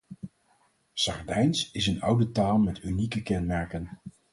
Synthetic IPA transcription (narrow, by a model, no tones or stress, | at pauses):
sɑɹdɛjnsɪsənʌwdətaːlˠmɛtynikəkɛnmɛɹkən